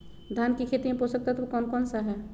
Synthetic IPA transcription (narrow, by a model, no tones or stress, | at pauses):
d̪ʱjankikʰet̪iẽposək̚t̪at̪okɔːnkɔːnsaɦɛ